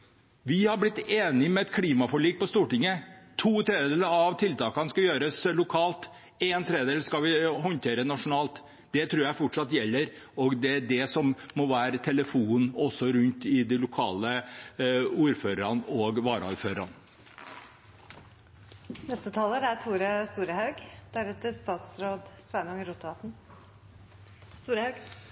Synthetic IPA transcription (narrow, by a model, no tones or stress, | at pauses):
ʋɪhɑɾblɪt̪ːeːnɪmɛɛt̪kʰliːmɑfɔɭiːk̚pɔst̪uːʈɪŋət̪ʰuːt̪ʰɾeːd̪əd̪eːləɾɑʋt̪ʰɪlt̪ɑːkɑnskɑjøːɾəslʊkʰɑːlt̪ | eːnt̪ʰɾed̪d̪eːlskɑʋɪɦɔnt̪ʰeːɾənɑʂʊnɑːlt̪ | d̪ɛt̪ʰɾuːɾjæɪfɔʈʂɑt̪jɛlːəɾ | ɔɡd̪ɛæɖɛsɔmːɔʋæːɾət̪ʰɛləfuːnɔsːɔɾʉnt̪ɪd̪ɪlʊkʰɑːlə | uːɾføːɾəɾɑnoɡʋɑːɾə̰ʉɾføːɾɾɑn | nɛst̪ət̪ʰɑːləɾæt̪ʰuːɾəst̪uːɾəhɑʉɡd̪̥æɾʉːt̪əst̪ɑːt̪sɾoːd̪sʋænɑŋəɾut̪əʋɑt̪n | st̪uːɾəhɑɡ